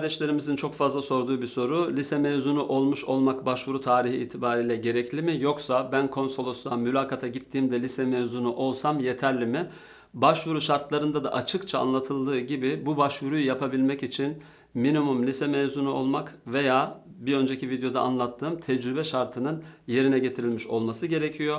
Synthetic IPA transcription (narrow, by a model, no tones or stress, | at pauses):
aɾd̪ɛʃlʲe̞ɾimizint͡ʃʰo̞kfazlˠaso̞ɾd̪uːbiso̞ɾulʲisɛmevzunuʔo̞lˠmuʃo̞lˠmakbaʃvuɾut̪ʰaːɾihḭːt̪ʰibaːɾiːlʲɛɟe̞ɾɛclʲimijo̞ksabænkʰo̞nso̞lˠosuamylʲaːkʰat̪ʰaɟit̪ʰːiːmd̪ɛlʲisɛmevzunuʔo̞lˠsamje̞t̪ʰæɾlʲimɪ | baʃvuɾuʃaɾt̪lˠaɾɯnd̪ad̪a̰ʔat͡ʃʰɯkt͡ʃʰa̰ːnlˠat̪ʰɯlˠd̪ɯːɟibɪbubaʃvuɾujujapʰabilʲmɛcit͡ʃʰin | minimumlʲisɛmevzunuo̞lˠmakve̞jaːbiɾø̞nd͡ʒe̞cʰivid̪ejo̞d̪aanlˠat̪ʰːɯːmt̪ʰɛd͡ʒɾybɛʃaɾt̪ʰɯnɯnje̞ɾinɛɟe̞t̪ʰiɾilʲmiʃo̞lˠmasɯɟe̞ɾecʰijo̞